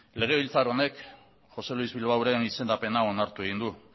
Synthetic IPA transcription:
le̞ɣ̞e̞βilt͡saɾone̞k | ʝo̞se̞luizβilawɾe̞nise̞nd̪ape̞nao̞naɾt̪ue̞ɣ̞ind̪u

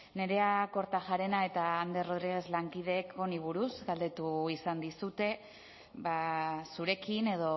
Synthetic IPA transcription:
ne̞ɾe̞ako̞ɾt̪aʝaɾe̞nae̞t̪aːnd̪esro̞ðɾiɣ̞e̞zlaŋkiðe̞kʰo̞niβuɾuzɡald̪e̞t̪uisand̪isut̪e̞ | βasuɾe̞kine̞ðo̞

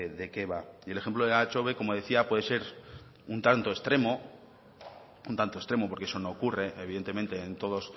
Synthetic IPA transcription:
ðe̞ke̞βaie̞lexe̞mploðeat͡ʃo̞βeko̞mo̞ðe̞θiapwe̞ð̞e̞se̞ɾ | unt̪ant̪o̞est̪ɾe̞mo̞ | unt̪ant̪o̞st̪ɾe̞mo̞poɾkee̞so̞no̞ːkure̞eβiðe̞nt̪e̞mẽnt̪e̞ːnt̪o̞ð̞o̞s

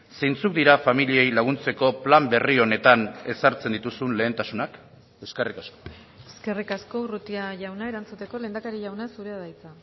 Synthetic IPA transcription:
se̞jnt͡suk̚d̪iɾafamilie̞jlaɣ̞unt͡se̞ko̞plambe̞rio̞ne̞t̪ane̞saɾt͡se̞nd̪it̪usunle̞ːnt̪asunak | e̞ske̞rikasko | eske̞rikasko̞urut̪iaʝawnaeɾant͡sut̪e̞ko̞le̞ːnd̪akaɾiʝawnasuɾeaðajt͡sa

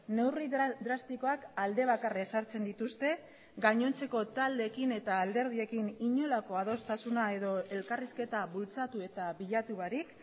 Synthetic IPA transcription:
ne̞wrid̪ɾast̪iko̞akald̪e̞β̞akaresaɾt͡se̞nd̪it̪ust̪e̞ | ɡaɲo̞nt͡se̞ko̞t̪ald̪e̞kine̞t̪aːld̪e̞ɾð̞ie̞kiniɲo̞lako̞að̞o̞st̪asunae̞ðo̞e̞lkariske̞t̪aβult͡sat̪ue̞t̪aβiʎat̪uβaɾik

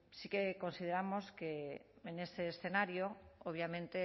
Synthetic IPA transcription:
sikeko̞nsið̞e̞ɾamoskeenest̪eːsθe̞naɾjooβ̞jamẽnt̪e

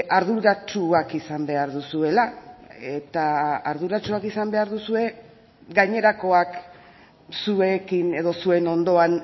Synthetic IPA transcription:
aɾðuɾat͡ʃuakisambe̞aɾðusue̞lae̞t̪aaɾðuɾat͡ʃuakisambe̞aɾðusue̞ | ɡaɲe̞ɾako̞ak | sue̞kine̞ðo̞sue̞no̞nd̪o̞an

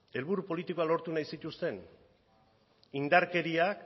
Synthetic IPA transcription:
e̞lβuɾupo̞lit̪iko̞alo̞ɾt̪unajsit̪ust̪e̞n | ind̪aɾke̞ɾiak

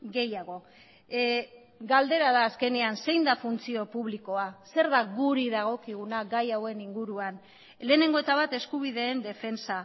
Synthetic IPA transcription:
ɡe̞jaɣ̞o̞ | ɡald̪e̞ɾaðaːske̞neanse̞jnd̪afunt͡sio̞puβliko̞ase̞ɾðaɣuɾiðaɣ̞o̞kiɣ̞unaɡajawe̞niŋɡuɾuan | le̞ːne̞ŋɡo̞e̞t̪aβat̪e̞skuβ̞iðe̞ːnd̪e̞fe̞nsa

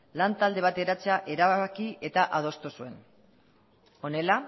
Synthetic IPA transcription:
lant̪ald̪e̞β̞at̪e̞ɾat͡seaʔe̞ɾaβaakie̞t̪aʔað̞o̞st̪usue̞n | o̞ne̞la

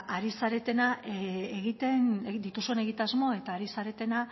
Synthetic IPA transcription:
aɾisaɾe̞t̪e̞naeɣit̪e̞nd̪it̪usue̞ne̞ɣ̞it̪azmo̞e̞t̪aːɾisaɾe̞t̪e̞na

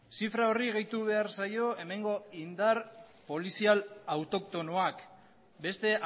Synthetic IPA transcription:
sifɾao̞riɣejt̪uβ̞e̞aɾsajo̞e̞me̞ŋɡo̞ind̪aɾpo̞lisialawt̪o̞kt̪o̞noak | be̞st̪e̞ʔ

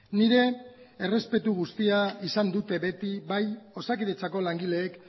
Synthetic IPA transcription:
niɾe̞ere̞spe̞t̪uɣ̞ust̪iaisand̪ut̪e̞βe̞t̪iβajo̞sakiðe̞t͡sako̞laŋɡile̞ːk

